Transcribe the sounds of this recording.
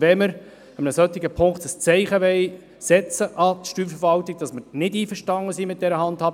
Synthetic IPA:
vɛməɾ | əmənəsœt̪ːɪɡəpʰʊŋktəst͡sɛɪχəʋɛɪ | sɛt͡səʔɑt̪ʃtyːfəɾvɑltɪɡ̥̚d̥ɑsməɾnɪdiːfəʃtɑŋəsiːmɪt̚d̥ɛɾəɦɑndhɑːb

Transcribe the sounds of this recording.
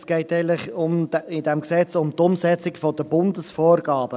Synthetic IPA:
sɡ̥ɛɪtɛɡəntləχʊmɪd̪ɛmksɛt͡sʊmt̪ʊmsɛt͡sɪkfɔd̥̪əbʊnd̪əsfoːɾɡɑːb̥ə

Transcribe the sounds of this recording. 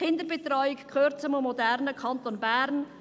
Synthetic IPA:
ɪndəɾbɛtrɔʏɪkkχøɾt͡səmomːɔdæɾnəkʰɑntonbæːɾn

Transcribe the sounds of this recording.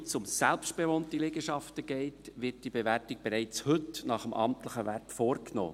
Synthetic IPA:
t͡sʊmsɛlpst̚b̥eʋoːntilɛɡəʃɑftəɡ̥ɛɪtʋɪt̚d̥ibeʋæɾtɪɡ̚b̥eɾɛɪt͡shɵtnɑχəmʔɑ̰mt̪ləχəʋæɾtfoːɾkno̰ː

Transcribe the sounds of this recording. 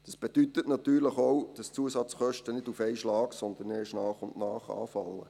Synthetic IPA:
d̥ɑsb̥ed̥yt̪ətnɑt̪yːɾləχowd̥ɑst͡suəsɑt͡sχœʃtənɪdufɛɪʃlɑːksɔnd̪ənɛːʃnɑːχʊnnɑːχɑ̰ːfɑlːə̰

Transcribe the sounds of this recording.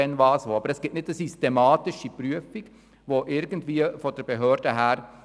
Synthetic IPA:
ɛnʋɑːsʋoːɑbəɾɛsɡ̥ɪtnɪtdəsystɛmɑːtɪʃipɾyəfiɡ | ʋoʔɪɾɡən̩dʋiːəfɔd̥əɾb̥eɦøːɾd̥əɦæːɾ

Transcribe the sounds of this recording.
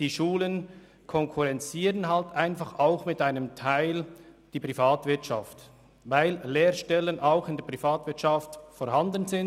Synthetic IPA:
d̥iːʃuːlən | kʰɔŋkʰuʁɛnt͡siːɾənɦaltʔaɪnfɑχaʊxmɪtaɪnəmtʰaɪld̥iːpʁifaːtv̥ɪɐtʃaft | vaɪlleːʁʃtɛlənʔaʊxɪndeɛɐpʁ̥ifaːtvɪɐtt͡ʃaftfoːhandənzɪn

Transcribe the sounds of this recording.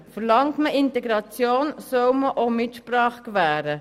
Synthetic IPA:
fəɾlɑŋtməʔɪnt̪ɛɡɾɑt͡sjoːnsœwməʔomɪt̪ʃpɾɑːχkvæːɾə

